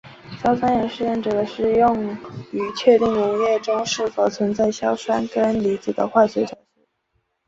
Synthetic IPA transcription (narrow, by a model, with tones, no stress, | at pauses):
ɕjɑ˥ʊswa˥njɛ˧˥nʂɻ̩˥˧jɛ˥˩nʈ͡ʂɤ˨˩d̪ə˦ʂɻ̩˥˧jʊ˥˩ŋy˧˥t͡ɕʰɥɛ˥˧t̪i˥˩ŋnʊ˧˥ŋjɛ˥˩ʈ͡ʂʊ˥ŋʂɻ̩˥˩fo˨˩ʊt͡sʰwə˧˥nt͡sa˥˩ɪɕjɑ˥ʊswa˥nkə˥nli˧˥t͡sɹ̩˨˩d̪ə̰˦xwa˥˩swe˧˥ʈ͡ʂʰɑ˨˩ʊɕi˥˦